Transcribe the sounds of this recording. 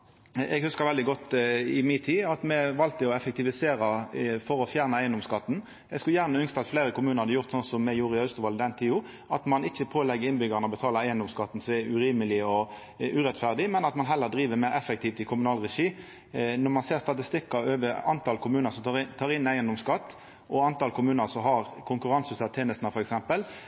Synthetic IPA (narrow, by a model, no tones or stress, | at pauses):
ɛ̰ɡhʉskəɾʋɛld̪ɪɡɔt̪ːɪmɪːt̪ʰiːɑt̪mɛʋɑlt̪əɔɛfɛk̚t̪ɪʋɪseːɾɑfɔɾɔfjæːʁnəæɪənd̪ɔmskɑt̪ːn̩ | ɛɡskʉljæːʁnəʏnst̪əɑt̪fleːɾəkʊmʉːnəɾhɑd̪əjʊʁt̪sɔnsɔmːɛjuːɾɪɑʉst̪ʊʋɑld̪ɛnt̪ʰiːʊ | ʔɑt̪mɑnɪçːəpʰoːlɛɡːəɾɪnbʏɡɑʁnɔbət̪ʰɑːləæɪənd̪ɔmskɑt̪ːn̩sɔmɛɾʉɾiːməlɪɔ | ʉʁɛt̪fæʁd̪ɪmɛnɑt̪mɑnɦɛlːəʁd̪ɾiːʋəmæɪɾɛfɛk̚t̪ʰiːft̪ɪkʰʊmʉnɑːlʁɛʃiː | nɔʁmɑnseːʁst̪ɑt̪ɪst̪ɪkːɑøːʋəɑ̰nt̪ʰɑlkʰʊmʉːnəsɔmɪt̪ʰɑːɾɪnæɪənd̪ɔmskɑt̪ː | ʔɔɑnt̪ɑlkʰʊmʉːnəsɔɦɑʁkʰʊŋkʉɾɑnsʉsɑt̪ʰeːnəst̪nəfɔɾɛksɛmpəl